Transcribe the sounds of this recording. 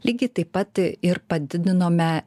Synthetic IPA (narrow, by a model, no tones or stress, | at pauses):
lʲiːɡʲɪt̪ɐɪpːɐt̪ɪɾpɐd̪ʲɪd̪ʲɪnoːmʲɛ